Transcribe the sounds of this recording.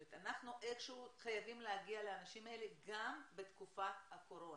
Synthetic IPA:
et̪anaχnuʔeχʃuχajavimleaɡialeanaʃimaeleɡambet̪kufahako̞ɾon

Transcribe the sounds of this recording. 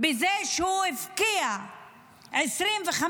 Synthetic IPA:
bɪzeːʃhuːɪfkija | ʕɪsɾiːnvɪxa

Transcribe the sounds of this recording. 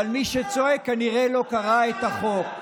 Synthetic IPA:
almiʃet͡soekːaniʁelo̞kaʁaet̪aχo̞k

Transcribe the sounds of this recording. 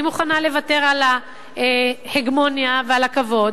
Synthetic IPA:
imuχanale̞vate̞ʁala | eheɡmo̞njavealakavo̞d

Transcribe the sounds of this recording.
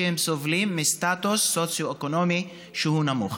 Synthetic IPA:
ehemsovlimːist̪at̪usːot͡sjoekonomi | ʃehunamuχ

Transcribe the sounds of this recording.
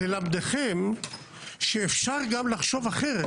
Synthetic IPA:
elamd̪eχe̞m | ʃeːfʃaʁɡamlaχʃo̞vaχe̞ʁe

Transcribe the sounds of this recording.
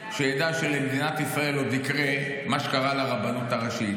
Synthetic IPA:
ʃejad̪aʃelemed̪inat̪isʁae̞lːod̪ikʁe | maʃe̥kaʁalaʁabanot̪aʁaʃi

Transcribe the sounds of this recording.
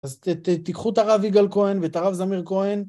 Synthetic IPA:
azt̪ikχut̪aʁaviɡalko̞envet̪aʁavzamiʁkoen

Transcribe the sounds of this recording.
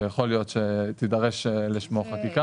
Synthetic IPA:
jaχo̞ljo̞t̪ʃet̪idɐʁeʃliʃmoχakika

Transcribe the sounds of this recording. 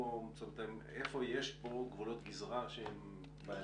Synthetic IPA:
osant̪amefo̞jeʃpoɡvulot̪ɡizʁaʃeem | ba

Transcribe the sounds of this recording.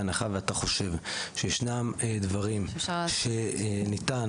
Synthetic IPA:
anaχaveat̪aχo̞ʃe̞vʃejeʃnamed̪vaʁimʃe̞nit̪an

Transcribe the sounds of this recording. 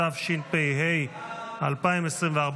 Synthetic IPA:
afʃilpejɦejalpaimesʁimveaʁb

